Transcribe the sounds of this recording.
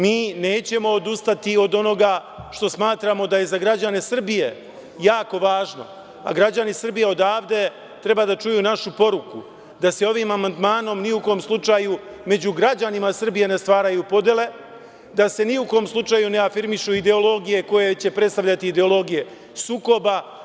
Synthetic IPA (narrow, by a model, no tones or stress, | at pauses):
miːne̞ːt͡ɕe̞mo̞ːd̪ust̪at̪io̞d̪o̞no̞ɡa | ʃt̪o̞smaːt̪ɾamo̞d̪aje̞zaɡɾad͡ʑane̞sr̩bije̞ | jaːko̞ʋaːʒno̞̰ | a̰ɡɾad͡ʑanisr̩bijeo̞d̪aːʋd̪e̞ | t̪ɾe̞bad̪at͡ʃujuːnaʃupo̞ɾuku | d̪ase̞o̞ʋiːmamand̪maːno̞mniuko̞mslˠut͡ʂaju | me̞d͡ʑuɡɾad͡ʑanimasr̩bije̞ne̞st̪ʋaːɾajupo̞d̪je̞le̞ | d̪ase̞niuko̞mslˠut͡ʂaːjune̞afiɾmiʃuid̪e̞o̞lo̞ɡije̞ko̞je̞t͡ɕe̞pɾe̞t̪st̪aʋʎat̪iːd̪e̞o̞lˠo̞ɡije̞ | suːko̞ba